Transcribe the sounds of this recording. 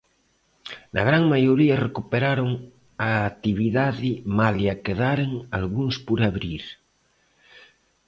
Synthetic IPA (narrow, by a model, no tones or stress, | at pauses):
na̰ɣ̞ɾaŋmajoɾiarekupeɾaɾoŋ | aːt̪iβiðaðimaljakeðaɾeŋalɣunspoɾaβɾiɾ